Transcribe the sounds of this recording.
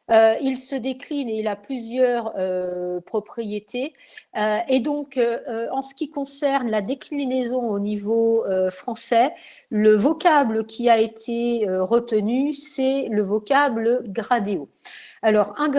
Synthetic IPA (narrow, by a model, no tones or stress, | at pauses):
øilsəd̪eklineilaplyzjœʁøpχɔpχijet̪ʰeøed̪ɔ̃køɑ̃sə̥kʲikɔ̃sɛʁnlad̪eklinezɔ̃onivoøfχɑ̃sɛ | ləvɔkabləkʲʰiaet̪ʰeøʁət̪ənysɛləvɔkabləɡʁad̪eoalɔʁɛ̃